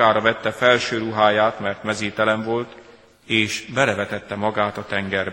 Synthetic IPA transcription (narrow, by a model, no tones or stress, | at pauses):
aːɾɒvɛt̪ːɛfɛlʃøːɾuɦaːjaːt̪mɛrt̪mɛzeːt̪ɛlɛɱvo̞lt̪ | eːʃbɛlɛvɛt̪ɛt̪ːɛmɒɡaːt̪ɒt̪ɛŋɡɛr